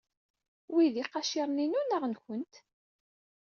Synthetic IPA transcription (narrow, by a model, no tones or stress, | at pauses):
wiðiqɑʃiɾˤninunaʁnçənt̪